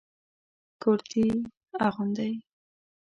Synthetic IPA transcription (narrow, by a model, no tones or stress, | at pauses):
koɾt̪ʰi | aɣʊnd̪aj